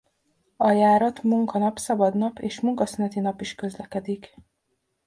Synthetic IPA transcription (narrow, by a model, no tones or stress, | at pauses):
ɒjaːɾɒt̪muŋkɒnɒpsɒbɒd̪nɒpeːʃmuŋkɒsynɛt̪inɒpiʃkø̞zlɛkɛd̪ik